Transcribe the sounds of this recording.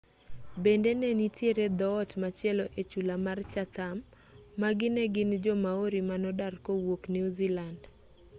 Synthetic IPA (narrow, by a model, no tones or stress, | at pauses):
bendenenitjeɾed̪ɔːtmat͡ʃɪɛlɔʔet͡ʃulamart͡ʃat̪amː | aɡɪnɛɡɪnd͡ʒɔmaoɾimanɔdarkowokniuziland